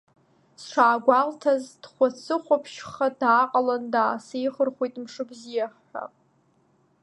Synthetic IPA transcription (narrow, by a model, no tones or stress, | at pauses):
sʂaːɡʷaltʰazd̥χʷat͡sʰɨχʷapʰʃχadaːqʼalandaːsejχərχʷojtʼmʂɨbzijaħħʷa̰